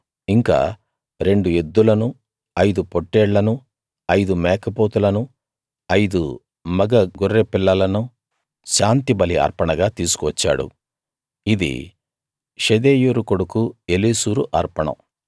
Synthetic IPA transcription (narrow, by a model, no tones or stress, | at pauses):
iŋka̰ː | ɾe̞ɳɖue̞d̪ːulɐnu | ɐjd̪upoʈːɛːɽlɐnu | ɐjd̪umɛːkɐpoːt̪ulɐnu | ɐjd̪u | mɐɡɐɡoɾːepilːɐlɐnu | ʃaːnt̪ibɐliɐ̰ɾpɐɳɐɡaːt̪iːsu̥kuʋɐt͡ʃːa̰ːɽṵ | id̪ḭ | ʃed̪eːjuːɾukoɽukuelisuːɾuʔɐɾpɐɳɐ̰m